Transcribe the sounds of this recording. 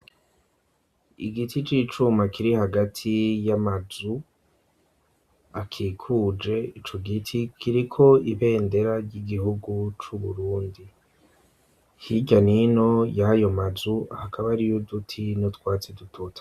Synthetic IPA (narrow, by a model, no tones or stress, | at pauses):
ḭɡitʰit͡ʃiːt͡ʃumakʰiɾihaɡatʰijamazu | akʰiːkʰuːd͡ʒe̞it͡ʃo̞ɡitʰikʰiɾikʰo̞iβe̞ːnde̞ɾaɾɟiɡihuɡut͡ʃuβuɾuːndi | hiɟanino̞jajo̞mazuahakʰaβaɾijodutʰinotwaːt͡sedutʰotḁ